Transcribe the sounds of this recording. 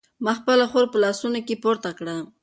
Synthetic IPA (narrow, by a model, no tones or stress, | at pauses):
mɑxpəlaxoɾpəlɑsunokepoɾt̪akɽa